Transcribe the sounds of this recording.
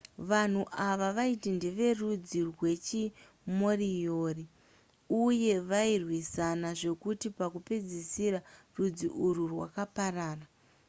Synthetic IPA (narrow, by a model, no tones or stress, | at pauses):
ʋan̤uʔaʋaʋaitindiʋe̞rud͡zirwe̞t͡ʃi | mo̞rijoːri | uje̞ʋairwisanaʐe̞kutipakuped͡zisiɾa | rud͡ziʔuɾurwa̰kaparaːra